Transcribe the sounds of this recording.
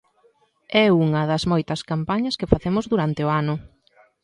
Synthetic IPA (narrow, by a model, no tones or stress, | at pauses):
ɛuŋɐðɐzmɔjt̪ɐskampaɲɐskefaθemʊzðuɾant̪eoanʊ